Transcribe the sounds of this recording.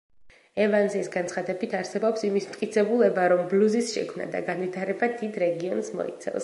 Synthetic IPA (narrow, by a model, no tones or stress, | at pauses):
ɛvanzɛsɡant̪sχad̪ɛbit̪ʰaɾsɛbɔpsimismt̪kʼit̪sʰɛbulɛbaɾɔmbluzisʃɛ̰kʰmna̰d̪a̰ɡanvit̪ʰaɾɛbad̪id̪ɾɛɡiɔnsmɔ̰ḭt̪sʰɛ̰lˠs